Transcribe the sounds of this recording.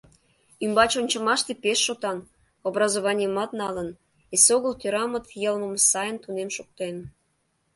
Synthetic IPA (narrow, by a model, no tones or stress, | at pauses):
ymbɑt͡ɕonʲt͡ɕəmɑʃt̪epeʃːot̪ɑn | obrɑzoβɑnʲiəmɑt̪nɑlən | esoɣəlt̪øɾɑmət̪jəlməmsɑjənt̪unemʃuk̚t̪en